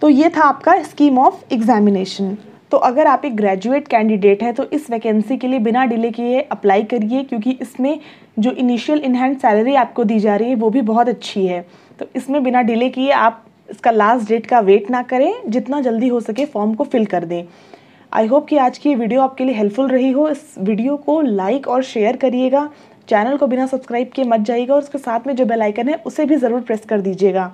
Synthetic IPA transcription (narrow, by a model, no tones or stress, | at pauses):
t̪oːjeːt̪ʰaːpkaɪskiːmɔːfɪɡzɛːmɪneːʃə̃n | t̪oːʔɐɡəɾaːpeːk̚ɡɾɛːd͡ʒueːʈkɛ̃ːɳɖɪɖeːʈɦɛt̪oʔɪsʋeːkɛ̃nsikeliebɪnaɖɪlekeeʔɐplaːikɐɾiekjõːkiʔɪsmẽ | d͡ʒoːʔɪniːʃiəlɪnɦɛ̃ːnssːɛːləɾiaːp̚kod̪iːd͡ʒaːɾəɦiɦɛʋoːbʱibɔɦɔt̪ɐtːʃʰiɦɛː | t̪oːʔɪsmẽbɪnaɖɪlekiieaːp̚ | ɪskalaːsʈɖeːʈkaʋeːʈnɐkɐɾẽːd͡ʒɪt̪nad͡ʒɐld̪iɦosɐkẽfɔːɾmkofɪlkɐɾd̪ẽː | ʔa̰ːɪɦoːp̚kiaːd͡ʒkijeʋiːɖijoaːp̚kelieɦɛlpfʊlɾɐɦiɦoɪsʋiːɖijokolaːɪkɔːɾʃeːəɾkɐɾieːɡaː | t͡ʃɛːnəlkobɪnasɐbskɾaːɪb̚kemɐt̪̚d͡ʒaːieɡaɔːɾʊskesaːt̪ʰmẽd͡ʒoːbelaːɪkənɦɛʔʊsebʱizɐɾuːɾpɾɛːskɐɾd̪iːd͡ʒieːɡaː